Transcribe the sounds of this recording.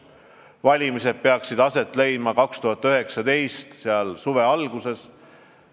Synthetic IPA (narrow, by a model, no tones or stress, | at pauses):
vɑlʲimise̞d̪̥̚peɑksid̪ɑse̞t̪ːˑlej̪mɑkɑkst̪uɦɑt̪ːˑøɦe̞ksɑd̪e̞jst̪seɑlsuve̞ɑlɡuse̞s